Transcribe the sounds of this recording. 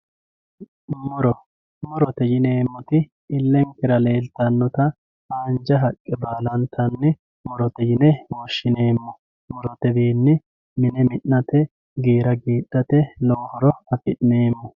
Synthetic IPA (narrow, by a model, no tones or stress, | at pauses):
mɔɾɔ | mɔɾɔt̪ɛjɪneːmːɔt̪ɪ | ɪlːɛŋkɪɾɐleːlt̪ɐnːɔt̪ɐ | aːnd͡ʒɐɦɐkʼːɛbaːlɐnt̪ʰɐnːɪ | mɔɾɔt̪ɛjɪnɛwoʃːɪneːmːɔ | mɔɾɔt̪ɛbiːnːɪ | mɪnɛmɪʔːɐt̪ɛ | ɡeːɾɐɡiːɗːɐt̪ɛloːhɔɾɔɐfɪʔneːmːɔ